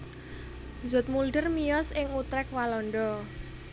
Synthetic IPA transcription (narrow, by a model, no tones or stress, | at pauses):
zʊ̤t̪̚mulɖərmijɔsɪŋut̪ɾɛkwalɔɳɖɔ